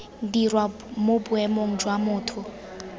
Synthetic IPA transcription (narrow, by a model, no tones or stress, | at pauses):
n̩dirwa | mobʊɛmoŋ̩d͡ʒwamʊːtʰʊ